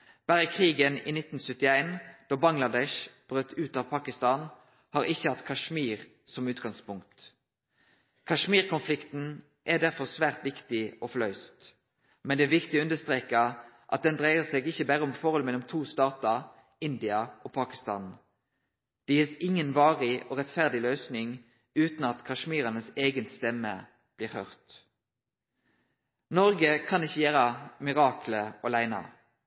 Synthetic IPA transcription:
b̥æːʁəkʰʁiːɡənḭːnɪt̪n̩sʉt̪ɪæɪnd̪̥oːbɑŋlɑd̪ɛʃb̥ʁøt̪ʰːʉːt̪ɑʋpʰɑːkɪst̪ɑːn | hɑːʁɪçːəhɑt̪kʰɑʃmiːʁ | sɔmʉːt̪ɡɑŋspʊŋkt̪ | kʰɑʂmiːʁkɔnflɪkt̪n̩ | ʔæd̪æʁfɔʁsʋæːʁt̪ʋɪkt̪ɪɔfɔlœʏst̪ | mɛnd̪ɛːʋɪkt̪ɪʉnd̪əst̪ʁeːkə | ʔɑt̪̚d̪ɛnd̪ʁæɪəʁseːɡɪçəbæʁəʊmfɔʁhɔlmɛlʊmt̪ʰuːst̪ɑːt̪ɑ | ɪnd̪ɪɑoːpʰɑkɪst̪ɑ̰ːn | d̪̥ɪɛsɪŋənʋɑːʁɪoːʁɛt̪fæʁd̪ɪløːsnɪŋ | ʉːt̪nɑt̪kʰɑʃmiːʁɑnəseːɡənst̪ɛmːə | b̥liːʁhœʁt̪ | nɔʁɡəkʰɑnɪçəjæːɾəmɪʁɑːkʰləɔlæɪnɑ̰

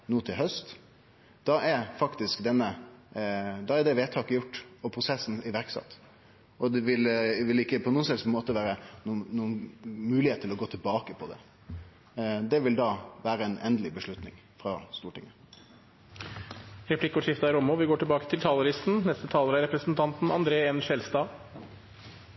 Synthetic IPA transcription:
nuːt̪ʰɪlɦœst̪ | d̪̥ɑʔɛɾfɑkt̪ɪskd̪ɛnːə | d̪ɑːɛɖ̪ɛʋeːt̪ʰɑːkəjʊʈːɔpʰɾʊsɛsːn̩ɪʋæɾksɑ̰t̪ː | ɔd̪ɛʋɪlʋɪlɪkːəpʰɔnuːənsɛsmoːt̪əʋæːɾənuːnːuːənmʉːlɪheːt̪ʰːəlɔɡoːt̪ʰəlbɑːkəpʰɔd̪ɛ̰ | d̪ɛʋɪld̪ɑːʋæːɾəɛnʔɛnd̪əlɪbəʂɭʉt̪nɪ̰ŋ | fɾɑst̪uːʈɪŋːə | ɾɛpʰlɪkːʊʂɪft̪ɑɪɾʊmːʊʋɪɡoːʈɪlbɑːkə̥t̪ʰɪlt̪ʰɑːləɾɪst̪n̩nɛst̪ət̪ʰɑːləɾæɾɛpɾəsnt̪ʰɑnt̪n̩ɑ̰nd̪ɾeːeːnʃɛlst̪ɑː

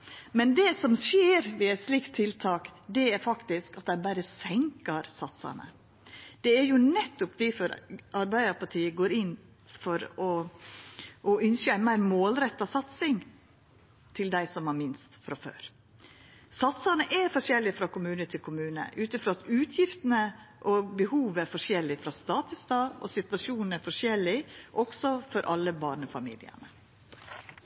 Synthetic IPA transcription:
mɛnd̪ɛsɔmseːɾʋɪæɪt̪sliːkt̪ʰːɪlt̪ʰɑːkd̪ɛæɾfɑkt̪ɪskɑt̪̚d̪æɪbæɾəsɛŋkəɾsɑt̪sɑ̰nə̰ | d̪̥ɛæɾjʊnɛt̪ːʊpd̪ɪfɔɾʔɑɾbæɪd̪əɾpɑʈʰiːəɡoːɾɪnː | fɔɾɔ | ʔɔʏnsəæɪnmæɪɾmoːlɾɛt̪ːɑsɑt̪sɪŋ | t̪ʰɪld̪æɪsɔmhɑɾmɪnst̪fɾɑfø̰ːɾ | sɑt̪sɑnəʔæɾfɔʂjɛlːɪfɾɑkʊmʉːnət̪ʰɪlkʰʊmʉːnə̰ʔʉːt̪əfɾoːɑt̪ʉːt̪ʰjɪft̪ənəʔɔbəhuːʋæɾfɔʂjɛlːɪfɾɑst̪ɑːt̪əsd̪ɑːɔ̰sɪt̪ʋɑʃuːnn̩æɾfɔʂjɛlːɪʔɔksɔfɔɾʔɑlːəbɑːɳəfɑmḭːlɪ̰ə̰ɳə

